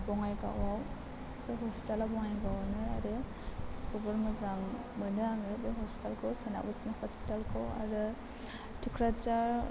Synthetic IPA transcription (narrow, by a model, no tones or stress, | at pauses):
bɔŋajɡa̰waw | bɯɦɔspi̥talabɔŋajɡawanɯa̰ɾɯ | zɯbɯɾmɯzaŋ | mɯnaaŋɯbeɦɔspi̥talkʰɯwsana̰basinhɔspi̥talkʰɯwa̰ɾɯ | tʰikʰɾat͡ʃaɾ